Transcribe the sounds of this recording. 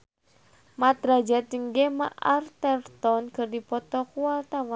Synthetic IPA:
mat̪ɾad͡ʒat̪iŋɡema̰ʔart̪ɛrt̪ɔnkɨrdipɔt̪ɔkualt̪awa

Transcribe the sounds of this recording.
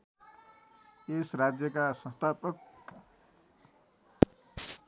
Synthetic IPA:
esrad͡zjʌkasʌ̃nst̪ʰapʌk

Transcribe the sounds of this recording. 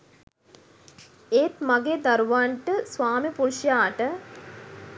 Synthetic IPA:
eːt̪maɡeːd̪aɾuʋaɳʈəsʋaːmipuɾʃjaːʈə

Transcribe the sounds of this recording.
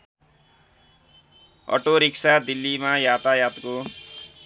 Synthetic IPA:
ʌ̰ʈoɾiksad̪ilːimajat̪ajat̪ko

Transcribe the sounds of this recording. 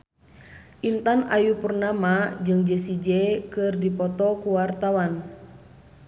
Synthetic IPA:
ʔint̪ana̰jupurnamad͡ʒɨŋd͡ʒɛsid͡ʒɛkɨrdipɔt̪ɔkuwart̪awan

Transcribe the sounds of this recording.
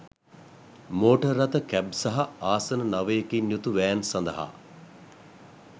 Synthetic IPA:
moːʈərːɐt̪əkæb̚saɦaaːsənənaʋəjekinjut̪uʋæːnsand̪əɦa̰

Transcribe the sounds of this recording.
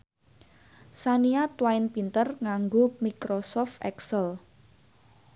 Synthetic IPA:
saniat̪waɪnpint̪ərŋaŋɡomikɾosɔft̪ɛ̰ksəl

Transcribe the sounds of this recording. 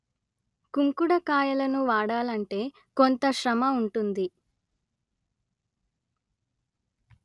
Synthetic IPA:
kuŋkuɽɐkaːjɐlɐnuʋaːɽaːlɐɳʈe̞ː | kont̪ɐʃɾɐmɐuɳʈund̪i

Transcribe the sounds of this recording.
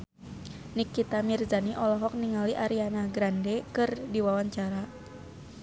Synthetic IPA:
nikːit̪amirzaniʔɔlɔɦɔk̚niŋaliʔaɾianaɡɾandɛkɨrdiwawaɲt͡ʃaɾa

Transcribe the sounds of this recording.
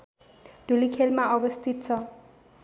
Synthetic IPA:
ɖ̥ʱulikʰelmaʌbʌst̪ʰit̪̚t͡sʰʌ

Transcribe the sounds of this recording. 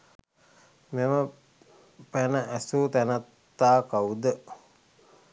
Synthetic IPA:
memə | pænəʔæsuːt̪ænat̪ːaːkawud̪ə

